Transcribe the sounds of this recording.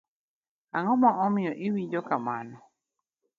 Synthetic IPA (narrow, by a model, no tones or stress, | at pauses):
aŋɔmɔʔɔmɪɔʔiwid͡ʒɔkama̰nɔ